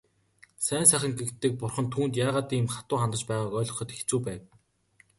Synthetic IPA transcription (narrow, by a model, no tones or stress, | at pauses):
sæːnsæːxʲɪ̆ŋɡekt̪ːɘ̆k̚pʊrχɞ̆nt̪ʰuːnt̪jaːʁaːt̪iːmχat̪ʊːχant̪ə̆t͡ɕpæːʁaːkœːɮʁɞ̆χɞ̆t̪ext͡suːpæːw